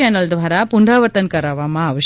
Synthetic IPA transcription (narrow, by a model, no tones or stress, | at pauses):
ɛnɐld̪ʋaːɾapunɖɾaːʋɐɾt̪ɐnkɐɾɐʋamaːʋɐʃ